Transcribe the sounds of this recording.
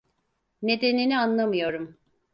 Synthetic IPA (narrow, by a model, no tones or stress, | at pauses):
ne̞d̪e̞ninianlˠamɯjo̞ɾum